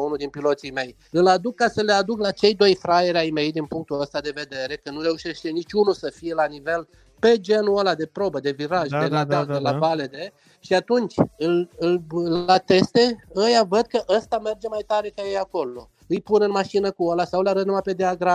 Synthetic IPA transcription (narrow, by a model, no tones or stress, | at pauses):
unud̪inpilo̞t̪sijme̞j | ɨlad̪ukːasəle̞ad̪uklat͡ʃe̞jd̪o̞jfɾajeɾʲajme̞jd̪inpuŋk̚t̪uəst̪ad̪e̞ve̞d̪e̞ɾe̞kənuɾe̞uʃe̞ʃt̪e̞nit͡ʃʲunusəfije̞lanive̞l | pe̞d͡ʒe̞nuolad̪e̞pɾo̞bəd̪e̞viɾaʒd̪elaad̪elabale̞d̪e̞ | ʃiat̪unt͡ʃʲɨlɨllat̪e̞st̪e̞əjavəd̪̚kəʔəst̪ame̞rd͡ʒe̞majt̪aɾe̞kajejako̞lo̞ | ɨjpunɨnmaʃinəkuolasawlaɾət̪numape̞d̪eaɡɾa